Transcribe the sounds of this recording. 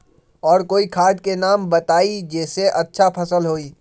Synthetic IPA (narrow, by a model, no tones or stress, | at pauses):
ɔːɾkoːikʰaːd̪kenaːmbɐt̪aːid͡ʒɛːseʔɐtːʃʰapʰɐsəlɦoːiː